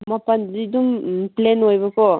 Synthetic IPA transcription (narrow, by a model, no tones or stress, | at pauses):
mapanziduŋplenojbakʰɔ